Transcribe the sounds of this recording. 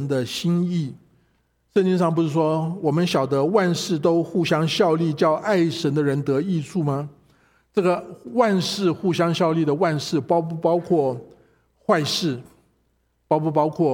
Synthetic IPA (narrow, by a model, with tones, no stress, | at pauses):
nd̪ə˧ɕi˥ni˥˩ | ʂə˥˧nt͡ɕi˥ŋʂɑ˥˩ŋp̬u˧˥ʂɻ̩˥˩ʂwɔ˥wɔ˨˩mə˦nɕjɑ˨˩ʊd̪ə˦wa˥˧nʂɻ̩˥˩t̪o˥ʊxu˥˩ɕjɑ˥ŋɕjɑ˥˧ʊli˥˧t͡ɕjɑ˥˧ʊʔa˥˩ɪʂə˧˥nd̪ə˧ɻə˧˥nt̪ɤ˧˥i˥˧t͡sʰu˥˩mɐ˩ | ʈ͡ʂɤ˥˩ɡə˩wa˥˧nʂɻ̩˥˧xu˥˩ɕjɑ˥ŋɕjɑ˥˧ʊli˥˩d̪ə˩wa˥˧nʂɻ̩˥˩pɑ˥ʊpu˥˩pɑ˥ʊkʰwɔ˥˩ | xwa˥˧ɪʂɻ̩˥˩ | pɑ˥ʊpu˥˧p̬ɑ˥ʊkʰwɔ˥˩